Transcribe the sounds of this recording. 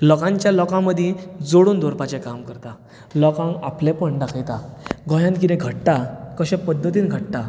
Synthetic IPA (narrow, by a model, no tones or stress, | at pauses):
lɔkãɲt͡ɕjalɔkãməd̪ʱĩd͡zoɽuːnd̪ɔɾpat͡ɕẽkamkəɾt̪a | lɔkãŋaplepəɳɖakʰəjt̪aɡɔ̃jãnkit̪ɛ̃ɡʱəʈt̪akəɕɛ̃pəd̪ʱːət̪iːnɡʱəʈt̪a